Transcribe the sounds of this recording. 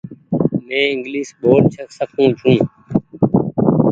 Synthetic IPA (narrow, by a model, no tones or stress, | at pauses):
mẽːɪŋɡliːsɓoːʈt͡ʃʰəksəkʰũːt͡ʃʰũː